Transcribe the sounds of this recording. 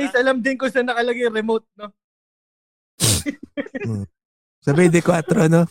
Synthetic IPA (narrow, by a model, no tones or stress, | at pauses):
ɐjsʔɐlɐmd̪ɪnkʊnsɐnɐkɐlɐɡɐjɾɛmot̪̚no | sɐbɛd̪ɪkwat̪ɾoɐno